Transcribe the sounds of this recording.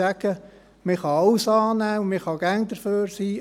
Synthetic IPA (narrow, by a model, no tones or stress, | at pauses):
æɡ̥ə | mɪχɑɑwsɑːnæːumɪχɑɡ̥æŋd̪əɾføːɾsiː